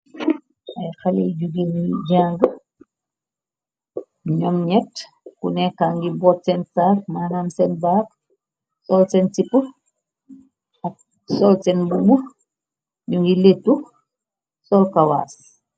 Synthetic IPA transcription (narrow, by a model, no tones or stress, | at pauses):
ɐjxalḛjɟuɡeniɟaːŋɡə | ɲɔmɲɛt | kṵnɛkaŋɡibɔːt̚sɛnsaːk̚maːnaːmsɛnbaːk̚ | sɔlsɛnsipu | ɐk̚ | sɔlsɛnbubu | ɲuŋɡiletːu | sɔlkawa̰ːs